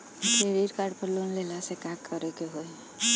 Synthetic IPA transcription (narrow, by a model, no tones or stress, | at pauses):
ʈʰeɾiɾkaɾɖpəɾlunlelasekãkʰːəɾekeɦoe